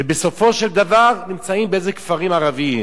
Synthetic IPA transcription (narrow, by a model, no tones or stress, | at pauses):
ebesofoʃeld̪avaʁnimt͡saimbeezekfaʁimaʁavii